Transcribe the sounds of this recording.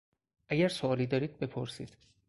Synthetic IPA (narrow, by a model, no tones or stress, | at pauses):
ʔæɟæɾsoɒːliːd̪ɒːɾiːd̪̚be̞pʰoɾsḭːd̪̥